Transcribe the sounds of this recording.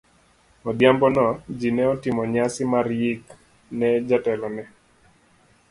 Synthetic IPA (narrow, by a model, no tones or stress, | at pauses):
ɔdjambɔnɔd͡ʒinɛɔtɪmɔɲasɪmarjik | nɛd͡ʒatɛlɔnɛ